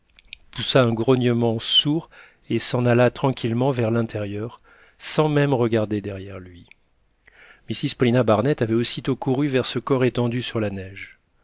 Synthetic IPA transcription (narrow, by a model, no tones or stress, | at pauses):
pusaɛ̃ɡʁɔnjəmɑ̃suʁ | esɑ̃nalat̪χɑ̃kʲʰilmɑ̃vɛʁlɛ̃t̪ɛʁjœʁ | sɑ̃mɛmʁəɡaʁd̪ed̪ɛʁjɛʁlɥi | misizpɔlinabaʁnɛt̪avɛosit̪okuʁyvɛʁsəkɔʁet̪ɑ̃d̪ysyʁlanɛʒ